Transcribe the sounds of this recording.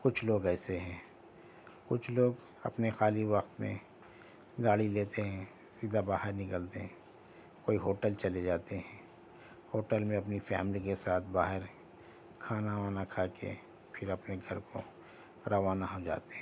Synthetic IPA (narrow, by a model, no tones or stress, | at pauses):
kʊt͡ʃʰloːɡɛːseɦɛ̃ː | kʊt͡ʃʰloːɡ | ɐ̰pnexaːliʋɐxt̪mḛ̃ | ɡaːɽileːt̪eɦɛ̃ | siːd̪ʱabaːɦɪɾnɪkəlt̪eɦɛ̃ | koːiɦoːʈəlt͡ʃɐled͡ʒaːt̪eɦɛ̃ː | hoːʈəlmẽɐpnifɛ̰ːmlikesaːt̪ʰbaːɦɪɾ | kʰaːnaʋaːnakʰaːkḛ | pʰɪɾɐpneɡʱɐɾkʰo̰ | ɾɐʋaːnaɦod͡ʒa̰ːt̪eɦɛ̃